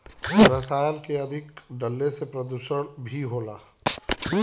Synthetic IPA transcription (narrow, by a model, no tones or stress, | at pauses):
ɾəsaːlkeəd̪ʱɪkɖəlːesepɾəd̪uʃəɽ̃bʱiɦoːlaː